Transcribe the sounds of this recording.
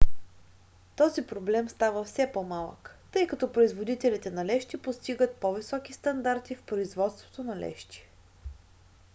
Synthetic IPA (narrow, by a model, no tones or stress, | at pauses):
t̪ɔzipɾoblɛmst̪avəfsɛpɔmalˠə̰kt̪ɤjkɐt̪ɔpɾoizvod̪it̪ɛlit̪ɛnɐlɛʃt̪ipost̪iɡət̪̚pɔvisɔkist̪ɐnd̪aɾt̪ifpɾoizvɔt̪st̪vo̥t̪onɐlɛ̰ʃt̪ʲi̥